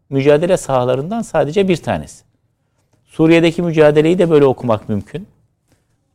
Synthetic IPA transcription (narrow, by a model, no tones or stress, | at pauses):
myd͡ʒaːd̪e̞lʲɛsahlˠaɾɯnd̪ansaːd̪e̞d͡ʒɛbiɾt̪ʰa̰ːnḛsi̥ | suːɾijed̪ecʰimyd͡ʒaːd̪elʲe̞jid̪ɛbø̞jlʲɛo̞kʰumakmymcʰyn